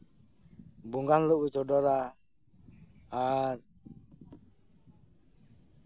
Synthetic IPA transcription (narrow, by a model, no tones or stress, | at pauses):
buŋɡanluʔwit͡ʃɔdɔɾa | aɾ